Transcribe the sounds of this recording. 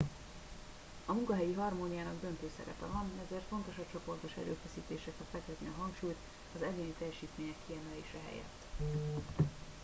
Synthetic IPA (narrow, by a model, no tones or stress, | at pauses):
ɒmuŋkɒɦɛjiɦɒrmoːnijaːnɒɡd̪ønt̪øːsɛ̰ɾɛ̰pɛvɒnɛzeːrt̪fo̞nt̪o̞ʃɒt͡ʃo̞po̞rt̪o̞ʃɛ̰ɾø̰ːfɛsiːt̪eːʃɛfɛt̪fɛkɛzniɒɦɒŋkʃuːjt̪ | ɒzɛɡeːnit̪ɛjɛʃiːt̪meːɲɛkʰːiɛmɛleːʃɛɦɛ̰jɛ̰t̪ː